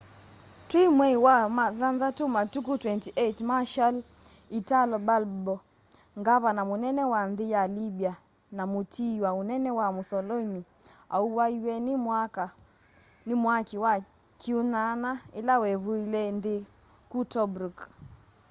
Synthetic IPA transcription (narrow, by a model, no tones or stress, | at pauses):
twimwɛiwamaðanðatumatukutwɛntiʔetmaʃal | italbalbɔ | ŋɡaβanamunɛnɛwanðɪjalibia | namutʰiwaunɛnɛwamusɔlɔimi | a̰uwaiwɛnimwaka | nimwakiwa | kiunanailawɛβuilɛnde | kutɔbɾuk